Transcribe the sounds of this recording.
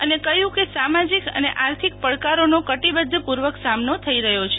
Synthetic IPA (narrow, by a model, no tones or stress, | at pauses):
ənekəjũkesamad͡ʒikə̰nḛʔaɾt̪ʰik̚pəɭkaɾonokəʈibəd̪ʱːpuɾʋəksamnot̪ʰəiɾəɦjot͡ʃʰe